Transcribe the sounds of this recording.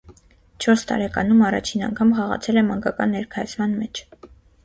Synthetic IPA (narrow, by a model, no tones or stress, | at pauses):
t͡ʃʰɔɾst̪ɑ̰ɾɛkɑ̰numɑrɑ̰t͡ʃʰinɑ̰ŋkʰɑmχɑʁɑ̰t͡sʰɛlɛmɑŋɡɑkɑnːɛɾkʰɑjut͡sʰmɑnmɛt͡ʃʰ